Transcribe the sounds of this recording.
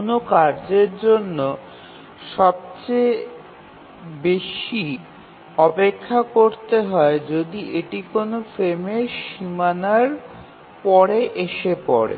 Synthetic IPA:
nokaɾd͡ʑeɾd͡ʑonːo | ʃɔb̚t͡ɕe | beʃi | ɔpekʰːakoɾt̪eɦɔed͡ʑod̪iʔeʈikonofɾemeʃimanaɾ | pɔɾeʔeʃepɔɾḛ

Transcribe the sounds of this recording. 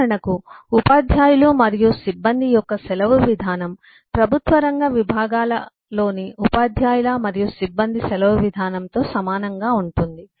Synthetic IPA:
ɐɳɐkuːpaːd̪ʱjaːjulumɐɾijusibːɐnd̪ʱijɔkːɐsɛlɐʋuʋid̪ʱaːnɐm | pɾɐbʱut̪ʋɐɾɐŋɡɐʋibʱaːɡaːlɐ | lo̞ːniupaːd̪ʱjaːjulɐmɐɾijusibːɐnd̪ʱisɛlɐʋuʋid̪ʱaːnɐmt̪o̞ːsɐmaːnɐŋɡaːuɳʈund̪i

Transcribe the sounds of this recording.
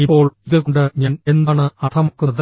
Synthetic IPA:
ipːo̞ːɭiðɨkɳɖɨɲaːne̞nːaːɳɨɐt̪ʰɐmokːɨðɐ

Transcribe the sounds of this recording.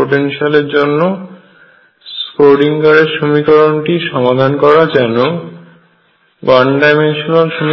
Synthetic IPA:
oʈenʃialeɾd͡ʑonːo | skoɖiŋkaɾeɾʃomikɔɾonʈiʃɔmad̪ʱankɔɾad͡ʑɛno | ɡaɳɖajmenʃonalʃom

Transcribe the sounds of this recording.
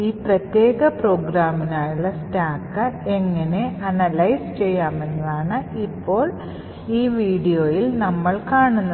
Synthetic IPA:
iːprɐt̪jeːɣɐpro̞ːɡɾaːminaːjuɭːɐstaːkːɐe̞ŋːɐne̞ɐnɐlɐjst͡ɕe̞jːaːmenːɐðaːɳɨipːo̞ːɭ | iːʋiːɽijo̞ːjilnɐmːɐɭkaːɳunːɐ

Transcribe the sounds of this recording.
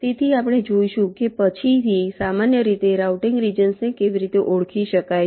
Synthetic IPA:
t̪et̪ʰiapɽ̃ed͡ʒoiʃũkepət͡ʃʰit̪ʰisamanjəɾit̪eɾawʈĩŋɡɾid͡ʒənsnekeʋiɾit̪eʔoɭkʰiʃəkaj

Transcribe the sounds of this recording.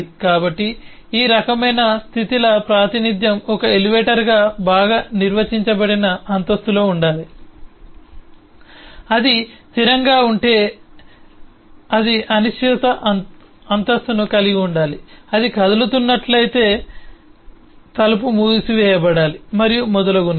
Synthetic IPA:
kaːbɐʈːi | iːɾɐkɐmɐjnɐst̪ʰit̪ilɐpɾaːt̪inid̪jɐmɔkɐeliʋeːʈɐɾɡaːbaːɡaːniɾʋɐt͡ʃiɲt͡ʃɐbɐɽinɐːnt̪ɐst̪ulo̞ːuɳɖaːli | ɐd̪it̪iɾɐŋɡaːuɳʈe̞ː | ɐd̪iʔɐniʃʋɛːt̪ɐʔ | ɐnt̪ɐst̪unukɐliɡiuɳɖaːliɐd̪ikɐd̪ɐlut̪unːɐʈlɐjt̪e̞ː | t̪ɐlɐp̬umuːdisiʋɛːjɐbɐɽaːlimɐɾijumɔd̪ɐlɐɡun

